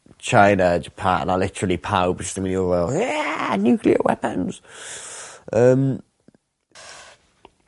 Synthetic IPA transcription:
t͡ʃʰãɪnəd͡ʒəpʰa̰ˑʔə̰̃nəlɪtəɹəlipʰaʊbɪstə̃mɪnjəwəːlˠjænjʉːˑkʰliə̰wɛ̰pə̃nz̥ | ʔəm

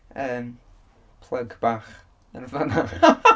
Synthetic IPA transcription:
əːm | pʰlˠəɡb̥aːχ | ənvana

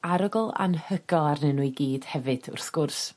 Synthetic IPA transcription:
aɾɔɡɔlˠa̰nhəɡɔlˠarnɨnuɨɡiːd̥hɛvɨd̥ʊ̰rθɡ̥ʊrs

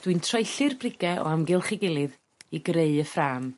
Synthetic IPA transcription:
d̥wɨntʰrajɬɨrbrɪɡɛʔɔ̰amɡɪlˠχɪɡɪlˠɨð | iɡreɨəfraːm

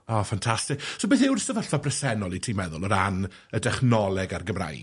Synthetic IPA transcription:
ɔːfantʰastɪksobeːθɪwrstəvaɬvabrɛsɛnɔlˠitʰiːmɛðʊlˠɔɾan | ədɛχnɔlˠɛɡarɡəmra̰jɡ

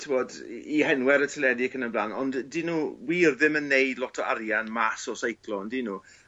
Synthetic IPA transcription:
tʰɪvɔd | ihɛnwɛɾətʰəlɛdɪkʰənəblaːnɔnddinuːwiːrðɪmənːeɨdlˠɔtʰɔaɾjanmasɔsajkʰlˠɔndinu

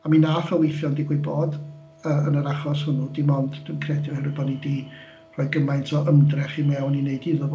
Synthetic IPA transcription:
aminafəwejθjɔndɪɡwɨboːd | əːənəɾaχɔshʊnudimɔndd̥winkʰrɛdjɪhɛrɨbɔdnidiː | r̥ɔːɨɡəmajntʰɔʔəmdrɛχimɛwnineɨdiðəv

